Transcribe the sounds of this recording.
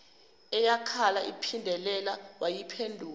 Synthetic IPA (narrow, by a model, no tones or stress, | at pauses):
ɛjakʰalaʔipʰindʱɛlɛlawajipʰendʱuː